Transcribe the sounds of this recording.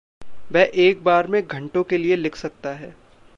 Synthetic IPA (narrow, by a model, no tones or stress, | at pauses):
ʋɛːʔeːk̚baːɾmẽɡʱɐ̃ɳʈõkelielɪkʰsɐk̚t̪aɦɛː